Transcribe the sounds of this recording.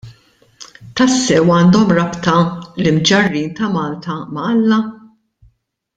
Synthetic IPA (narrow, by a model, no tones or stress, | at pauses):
t̪ɐsːɛwɐːnd̪ɔmɾɐpt̪ɐlɪmd͡ʒɐrːiːnt̪ɐmɐːlt̪ɐmɐɐlːɐ